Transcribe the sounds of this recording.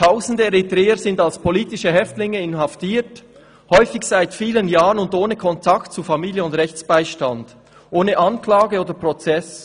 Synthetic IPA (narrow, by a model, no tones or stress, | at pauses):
tʰaʊzn̩dəɛɾitɾɛːəzɪndalspʰoliːtɪʃəɦɛftlɪŋəɪnɦaftiːt | hɔʏfɪçsaɪtfiːlənjaːʁənʊndoːnəkʰɔntʰaktt͡sufamiːljəʊndʁɛçt͡sb̥aɪʃtand̥ | ʔoːnəʔɑnklaːɡəoːdəpʁɔt͡sɛs